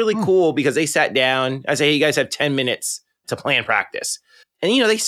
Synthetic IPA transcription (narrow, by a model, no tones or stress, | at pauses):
ɪlˠikʰulˠbɨkʌzðeɪsæt̚d̥ãʊ̃na̰ɪseɪɨɡaɪz̥ɨd̚tʰɛ̃nmɪ̃nɨts | tʰəpʰl̥æ̃npʰɹ̥æ̰k̚tɨ̰s | ɨ̃njɨnoʊðeɪs